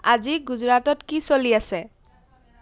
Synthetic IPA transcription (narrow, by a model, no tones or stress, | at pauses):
ad͡ʒiɡud͡ʒɾat̪ɔtkisoliase